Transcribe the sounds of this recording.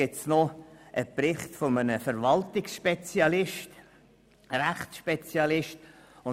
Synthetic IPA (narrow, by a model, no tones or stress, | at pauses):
ɪtsnoʔəpɾɪχtfomənəfəɾvɑltɪksʃpɛt͡sjɑlɪʃt | ɾæχtsʃpet͡sjɑlɪʃtʊ